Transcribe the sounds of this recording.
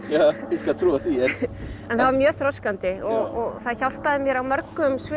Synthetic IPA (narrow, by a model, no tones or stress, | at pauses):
jaːiskat̪ʰɾuːaθiɛɛnθavaɾmjœːθɾɔskant̪ɪɔɣɔɣθaðçawl̥paðɪmjɛɾawmœɾkʏmsvɪ